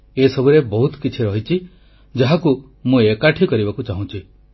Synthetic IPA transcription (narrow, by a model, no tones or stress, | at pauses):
esɔbuɾebɔɦut̪kit͡ʃʰiɾɔɦit͡ʃʰi | d͡ʒaɦaku | mũekaʈʰikɔɾibakut͡ʃaɦũt͡ʃʰi